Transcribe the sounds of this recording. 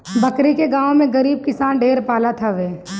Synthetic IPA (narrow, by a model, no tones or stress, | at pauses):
bɐkɾikeɡaːõmẽɡɐɾiːb̚kɪsaːnɖeːɾpaːlat̪ʰaʋeː